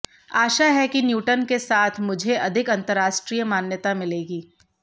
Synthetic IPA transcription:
aːʃaɦɛkinjuːʈənkesaːt̪ʰmʊd͡ʒʱeʔɐd̪ʱɪkɐ̃nt̪əɾaːʃʈɾiːjəmaːnjət̪amɪleːɡiː

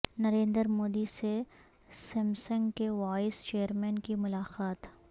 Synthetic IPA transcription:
nɐɾẽːnd̪əɾmoːd̪ise | sɛmsə̃ŋɡkeʋaːɪst͡ʃeːəɾmɛ̃ːnkimʊlaːqaːt̪

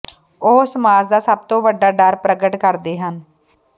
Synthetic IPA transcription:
oːsmaːd͡ʒd̪aːsəb̚t̪õːʋəɖːaːɖəɾpɾəɡəʈkəɾd̪eːɦən

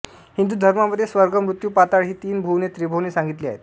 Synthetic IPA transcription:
hind̪uːd̪ʱəɾmaməd̪ʱːjesʋəɾɡʱəmɾut̪juːpat̪aɭɦiːt̪iːnbʱuʋnet̪ɾibʱoʋneːsãŋɡit̪liːa̰ɦet̪

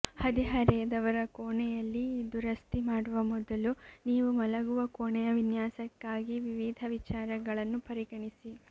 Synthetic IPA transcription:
hɐd̪iɦɐɾɛːd̪ɐʋɐɾɐkoːɳɛjɐlːiːd̪uɾɐst̪imaːɽuʋɐmɔd̪ɐluniːʋumɐlɐɡuʋɐkoːɳɛjɐʋinjaːsɐkːaːɡiʋiʋid̪ʱɐʋit͡ʃaːɾɐɡɐɭɐnːupɐɾiɡɐɳisi

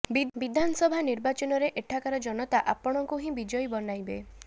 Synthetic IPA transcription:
bibid̪ʱanɔsɔbʱaniɾbat͡ʃɔnɔɾeʔeʈʰakaɾɔd͡ʒɔnɔt̪aʔapɔɽ̃ɔŋkuɦĩbid͡ʒɔjbɔnajbe

